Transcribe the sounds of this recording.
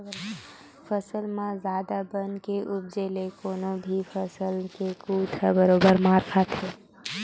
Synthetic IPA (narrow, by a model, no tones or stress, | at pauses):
fəsəlmãzjaːd̪abənkeʔʊb̚d͡ʒeːlekoːnõbʱifəsəlkekuːt̪ʰəbəɾoːbəɾmaːɾkʰat̪eː